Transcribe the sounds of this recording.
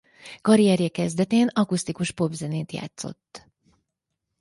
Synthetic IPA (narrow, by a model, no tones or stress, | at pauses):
kɒɾijɛɾjɛkɛzd̪ɛt̪eːnɒkust̪ikuʃpo̞bzɛneːt̪ja̰ːt̪so̞̰t̪ː